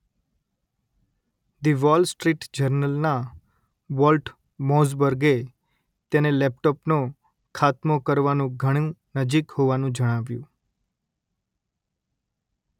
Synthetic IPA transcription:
d̪iʋɔlsʈɾiʈd͡ʒəɾnəlna | ʋɔlʈ | mɔzbəɾɡe | t̪enelɛp̚ʈɔpno | kʰat̪mokəɾʋanũɡʱəɽ̃ĩnəd͡ʒikhoʋanũd͡ʒəɽ̃aʋjũ

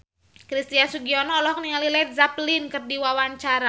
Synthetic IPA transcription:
kɾist̪iasuɡiɔnɔːlɔhniŋalilɛt̪̚zaplinkɨrdiwawaɲt͡ʃaɾa

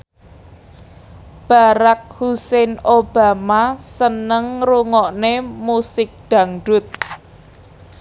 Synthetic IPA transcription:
b̥aɾak̚husɛnob̥amasənəŋruŋɔʔnemusɪk̚d̪̥ä̤ŋɖʊt̪̚

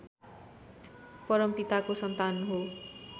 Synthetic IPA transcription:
pʌɾʌmpit̪akosʌnt̪anɦo

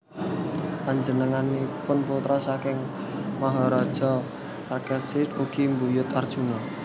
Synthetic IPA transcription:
paɲd͡ʒənəŋanipʊnput̪ɾasakɪŋ | maɦɔɾɔd̥ʒ̥ɔ̤ | parkɛsɪtuɡ̥imbujʊt̪ard̥ʒ̥unɔ

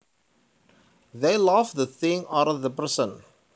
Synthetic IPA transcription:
ðeɪlafðəθɪ̃ŋaɾəðəpɛsə̃n

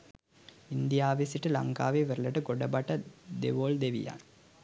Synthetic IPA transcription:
ind̪ijaːʋesiʈɨlɐ̰ŋka̰ːʋeʋeɾulɐʈɨɡoɖɐbɐʈɐd̪ḛʋoːld̪eʋḭja̰ːn

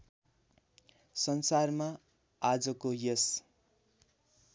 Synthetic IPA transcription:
sʌnsarma | ad͡zʌkojʌs

